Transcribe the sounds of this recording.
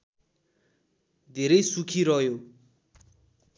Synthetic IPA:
d̪ʱeɾejsukʰiɾʌjo

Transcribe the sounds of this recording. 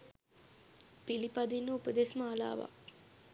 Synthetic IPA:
pilipad̪inːəupəd̪esməala̰ːʋa̰

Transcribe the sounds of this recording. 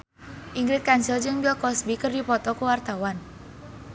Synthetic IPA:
ʔiŋɡɾɪt̪̚kansɪld͡ʒɨŋbɛlkɔsbikərdipɔt̪ɔkuwart̪awan

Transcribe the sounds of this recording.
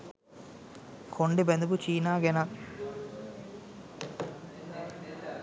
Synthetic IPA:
kʰoɳɖibend̪ubut͡ʃiːnaːɡenak

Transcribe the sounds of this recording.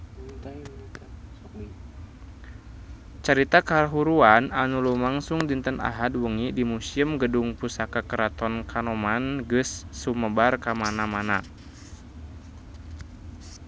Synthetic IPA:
t͡ʃaɾit̪akaɦuɾuananulumaŋsuŋdint̪əna̰ɦadwəŋidimusiəmɡəduŋpusakakəɾat̪ɔnkʰanɔmanɡɨsːuməbarkamanamana

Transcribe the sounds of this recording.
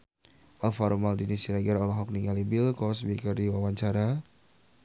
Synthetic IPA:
ʔalfaɾumaldinisiɾaɡɛɾɔlɔɦɔk̚niŋalibilkɔsbikərdiwawaɲt͡ʃaɾa

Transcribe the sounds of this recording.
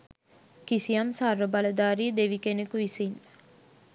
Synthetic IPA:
kisijamsarːəbaləd̪aːɾid̪eʋikenekuisin

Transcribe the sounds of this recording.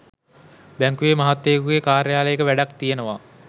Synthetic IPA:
bæŋkuʋemaɦat̪ːekuɡekaːɾjaːləjekəʋæɖakt̪ijenəʋa

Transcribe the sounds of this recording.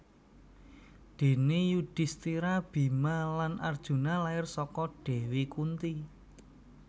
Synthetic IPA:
d̪̥e̤nejud̥i̤st̪iɾab̥i̤malanʔard̥ʒ̥ṳnalaɪrsɔkɔɖ̥e̤wikunt̪i

